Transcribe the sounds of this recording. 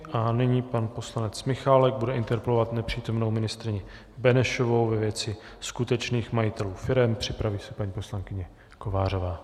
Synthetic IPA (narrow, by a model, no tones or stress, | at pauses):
ʔanɪɲiːpanpo̞slanɛt͡smɪxalɛɡ̚budɛʔɪnt̪ɛɾpɛlo̞vat̪nɛpr̝̥iːt̪omno̞wmɪnɪst̪ɾɪɲɪ | bɛnɛʃo̞vo̞wvɛvjɛt͡sɪ | skut̪ɛt͡ʃniːxmajɪt̪ɛluːfɪɾɛmpr̝̥ɪpɾaviːsɛpaɲiːpo̞slaŋkɪɲɛ | ko̞vaːr̝ovaː